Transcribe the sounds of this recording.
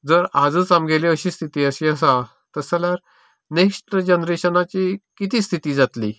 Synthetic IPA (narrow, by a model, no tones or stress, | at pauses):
d͡zəɾad͡zəːt͡samɡʱeleəɕiːst̪ʰit̪iːəɕiəs̬ã | t̪əsaljaɾ | neksʈəɾd͡ʑənɾeɕənat͡ɕikit̪iːst̪ʰit̪iːd͡zat̪lḭː